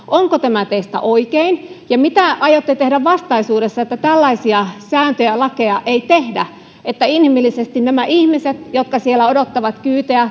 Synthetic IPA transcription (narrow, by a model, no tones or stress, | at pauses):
ʔoŋkot̪æmæt̪est̪æ̰ʔoikeinjɑmit̪æʔɑjot̪ːet̪ehdæʋʋɑst̪ɑisuːdesːɑet̪ːæt̪ælːɑisiɑsæːnt̪øjælɑkeɑʔeit̪ehdæ | et̪ːæinhimilːisest̪innæmæʔihmiset̪jot̪̚kɑsielæodot̪ːɑʋɑt̪kyːt̪eæ